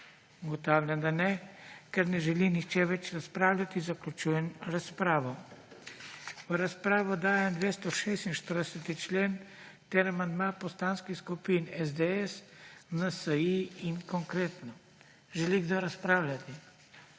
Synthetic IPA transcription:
uɡɔt̪awlʲjand̪anɛkɛɾnɛʒɛlinixt͡ʃɛʋɛt͡ʃɾaspɾaːwlʲat̪izaklʲut͡ʃujɛnɾaspɾaːʋɔ | əɾaspɾaːʋɔd̪aːjɛmd̪ʋeːst̪ɔʃeːst̪inʃt̪əɾd̪ɛsət̪it͡ʃleːn | t̪eɾamand̪mapɔst̪anskixskupinɛzd̪eɛsnəsəiinkɔŋkɾeːt̪nɔ | ʒɛliɡd̪oɾaspɾaːwlʲat̪i

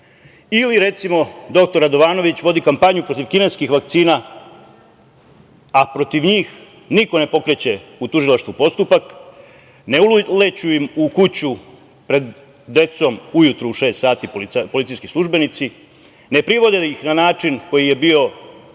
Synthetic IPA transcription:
iliɾe̞t̪simo̞d̪o̞k̚t̪o̞ɾad̪o̞ʋaːno̞ʋit͡ɕʋo̞d̪ikampaɲupɾo̞t̪iʋkineskixʋak̚t̪siːna | apɾo̞t̪iʋɲiːx | niko̞ne̞po̞kɾet͡ɕe̞ut̪uʒilaʃt̪vʋupo̞st̪upak | nelet͡ɕujimukut͡ɕu | pɾe̞d̪ː | e̞t̪so̞mujut̪ɾuːʃe̞ːst̪saːt̪ippolit̪ijskislˠuʒbe̞nit̪si | ne̞pɾiʋo̞d̪eixnanaːt͡ʂinko̞jije̞bio̞

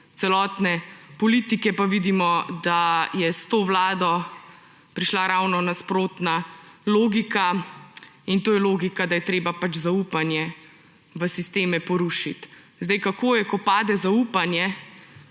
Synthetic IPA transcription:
t̪sɛlɔːt̪nɛpɔlit̪ikɛpaʋid̪imɔd̪ajɛst̪oːʋlaːd̪ɔ | pɾiʃlaɾawnɔnaspɾoːt̪naloːɡikʰa | int̪oːjɛloːɡikad̪ajɛt̪ɾeːbapat͡ʃzaupanjɛ | ʋəsist̪eːmɛpɔɾuːʃit̪ | zd̪ɛjkakʰoːjɛkɔpaːd̪ɛzauːpanjɛ

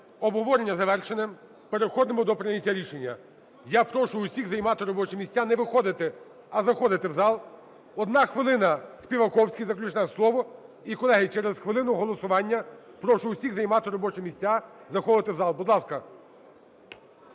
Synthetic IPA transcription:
ɔbɦɔʋɔɾenʲːɐzɐʋɛrʃenem | peɾexɔd̪ɪmʊd̪ɔpɾɪnʲɐtʲːaɾʲiʃenʲːɐ | japɾɔʃʊʊsʲiɣzɐjmɑt̪ɪɾɔbɔt͡ʃɪmʲisʲtʲanɛʋɪxɔd̪ɪt̪ɪ | ɐzɐxɔd̪ɪt̪ɪwzɑlˠ | ɔd̪nɑxʋɪlˠɪnɐsʲpʲiʋɐkɔwsʲkʲijzɐklʲut͡ʃnɛɛslˠɔʋɔ | ikɔlˠɛɦɪt͡ʃɛɾezxʋɪlˠɪnʊɦɔlˠɔsʊʋɑnʲːɐpɾɔʃʊʊsʲiɣzɐjmɑt̪ɪɾɔbɔt͡ʃɪmʲisʲtʲːazɐxɔʋɪt̪ɪwzɑlˠbud̪lˠɑskɐ

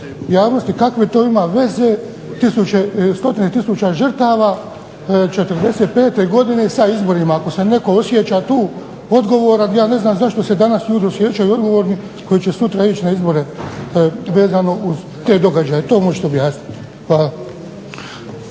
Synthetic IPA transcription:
jaːʋno̞st̪ikakʋet̪o̞ːimaʋe̞ze̞ | t̪isut͡ʃest̪o̞t̪inet̪isut͡ʃaʒər̩t̪aːʋaː | t͡ʃet̪əɾd̪e̞set̪̚pe̞ːt̪e̞ɡo̞d̪ine̞saizbo̞ɾimaːko̞se̞ne̞ko̞osjet͡ɕat̪uː | o̞d̪ɡo̞ʋoːɾajaːne̞znaːmzaʃt̪o̞se̞d̪anasjuːd̪iosjeːt͡ʃajuo̞d̪ɡo̞ʋo̞ːɾni | ko̞jit͡ʃe̞sut̪ɾait͡ʃinaizbo̞ɾe̞ | ʋe̞ːzano̞ʔuz | t̪e̞ːd̪o̞ɡad͡ʒaːjet̪o̞ːmot͡ʃe̥t̪eobjaːsnit̪i̥ | xʋaːlˠa

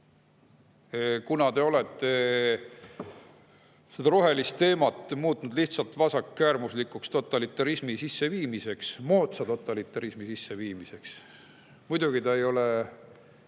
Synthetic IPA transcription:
kunɑt̪e̞o̞le̞t̪ːˑe̞ | sed̪ɑɾoɦe̞list̪ːe̞ːmɑt̪ːˑmuːt̪ːˑnud̪liht̪sɑlt̪vɑsɑkːæːrmuslikˑukst̪o̞t̪ːˑɑlit̪ːˑɑɾismisisːe̞viːmise̞ksmoːt̪sɑt̪o̞t̪ːˑɑlit̪ːˑɑɾismisisːe̞viːmise̞ks | mujd̪̥uɡ̥it̪ɑejo̞le

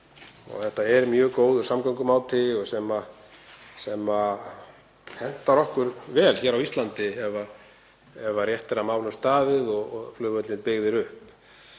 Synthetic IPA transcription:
ɔ̰ɣθɛht̪aɛɾmjœːɣkoːwðʏ̥samkaŋkʏmaːwt̪ʰɪɔɣsɛma | sɛma | hɛn̥t̪aɾɔhkʏɾvɛːlçɛːɾawist̪lant̪ɪɛva | ɛvarjɛht̪ɪɾamaːwlʏmst̪aːðɪðɔɣflʏːɣvœt̪lɪnpɪɣðɪɾʏhp

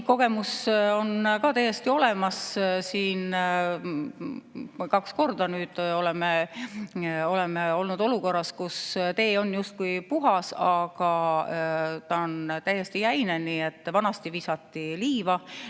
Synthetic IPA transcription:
ko̞ɡ̥e̞muso̞nkɑːt̪æjːest̪io̞le̞mɑssiːn | kɑksko̞rd̪̥ɑnyːd̪̥o̞lɛme | o̞lemeo̞lnud̪o̞luko̞rːɑskust̪e̞ːo̞njust̪̚kujpuɦɑsɑɡ̥ɑ | t̪ɑont̪æjest̪ijæjneniːe̞t̪ːˑvɑnɑst̪iviːsɑt̪ːiliːvɑ

